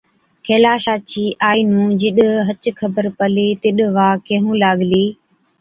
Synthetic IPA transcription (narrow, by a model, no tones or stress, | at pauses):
kʰeːlaːʃaːt͡ʃʰiːʔaːiːnũːd͡ʒɪɗɦət͡ʃkʰəbəɾpəleːt̪ɪɗʋaːkẽɦũːlaːɠliː